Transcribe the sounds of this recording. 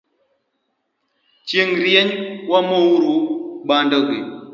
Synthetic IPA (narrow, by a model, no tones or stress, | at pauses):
t͡ʃeŋɾieɲwamowuɾuɓandəɡḛ